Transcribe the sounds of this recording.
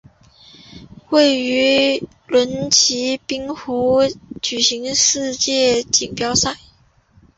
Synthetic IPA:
xwe˥˩ɪy˧˥ | lwə˧˥nt͡ɕʰi˧˥pi˥ŋxu˧˥t͡ɕy˨˩ɕi˧˥ŋʂɻ̩˥˧t͡ɕjɛ˥˩t͡ɕi˨˩ŋpjɑ˥ʊsa˥˩ɪ

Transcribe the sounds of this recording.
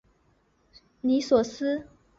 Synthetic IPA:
ni˧˥swɔ˨˩sɹ̩˥

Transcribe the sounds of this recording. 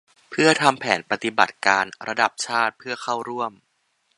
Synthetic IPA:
pʰɯ˥˩ɐt̪ʰa˧mpʰɛː˩˦npa˧t̪i˨˩ba̰˨˩t̪̚kaː˧nɾʔa˧da˨˩p̚t͡ɕʰaː˥˩t̪̚pʰɯ˥˩ɐxʰa˥˩wɾu˥˩əm

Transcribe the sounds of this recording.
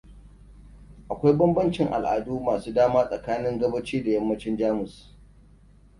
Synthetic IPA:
ʔa˨kʷa˦jbɐ˦mbɐ˦nt͡ʃɪ˨ŋʔa̰˨lʔa̰ː˨duː˦maː˨suː˦daː˦maː˦sʼɐ˨kaː˦nɪ˦ŋɡɐ˦bɐ˦t͡ʃiː˦da˨jɐ˦mːɐ˦t͡ʃɪ˦nd͡ʒaː˦mʊ˨s

